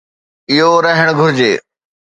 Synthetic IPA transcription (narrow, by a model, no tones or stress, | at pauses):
ɪɦoɾɐɦɪɽ̃ɡʱʊɾɪd͡ʑeː